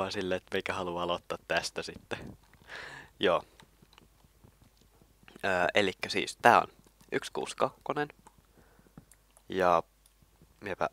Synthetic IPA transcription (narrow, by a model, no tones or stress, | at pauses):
ɑsilːeet̪meikæhɑluɑlot̪ːɑːt̪t̪æst̪æsit̪ːe | joː | əːelikːæsḭːst̪æːo̰n | ʔykskṵːskɑkːonen | jɑ | miepæ̰